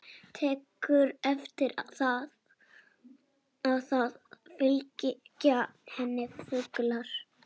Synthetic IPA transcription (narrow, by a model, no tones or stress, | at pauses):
t̪ʰɛːkʏɾɛft̪ɪɾaθað | aðθaðfɪlcɪcahɛnːɪfʏklaɾ̥